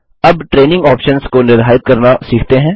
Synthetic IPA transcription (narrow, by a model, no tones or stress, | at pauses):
ɐbʈɾeːnɪ̃ŋɡɔːpʃənskonɪɾɦaːɪt̪̚kɐɾnasiːkʰt̪eɦɛ̃ː